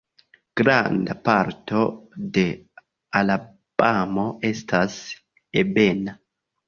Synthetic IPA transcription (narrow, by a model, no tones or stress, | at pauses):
ɡ̥ɾa̰ndapaɾto̞de̞ | ala | b̥amo̞ʔe̞stʰas | ebe̞na